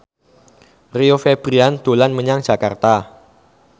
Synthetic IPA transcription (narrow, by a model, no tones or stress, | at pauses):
riofeb̥ɾiand̪̥olanməɲaŋ̥d͡ʒ̥a̤kart̪a